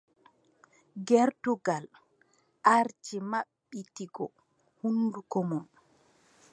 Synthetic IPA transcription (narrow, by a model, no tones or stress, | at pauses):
ɡɛɾtuɡal | ʔaɾt͡ʃimaɓːitiɡɔ | hundukɔmɔn